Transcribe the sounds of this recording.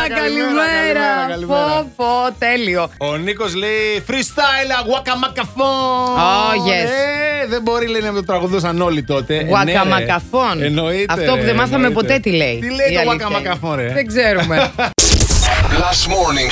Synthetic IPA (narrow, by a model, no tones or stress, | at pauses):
kɐliimeɾɐkɐlifofot̪eliooniko̞sleifɾist̪ajlɐɣwɐkɐmɐkɐfooʝesðebo̞ɾileinɐmet̪ot̪ɾɐɣuðos̬ɐno̞lit̪ot̪e̞ɣwɐnɐmɐkɐfo̞nenoit̪ɐfteopuðemɐθɐmepo̞t̪e̞t̪ileit̪ileiɐlɣwɐikɐmɐkɐfõneðeɡzeɾume | last̪moɾniŋ